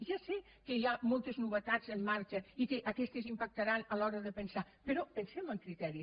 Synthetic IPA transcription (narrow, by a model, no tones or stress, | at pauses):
ʒasɛ | kəiamolˠt̪əznuβət̪ad͡zəmːaɾt͡ʃəikəʔakɛst̪əzimpak̚t̪aɾanalɔɾəðəpənsa | pəɾɔpənsɛməŋkɾit̪ɛɾi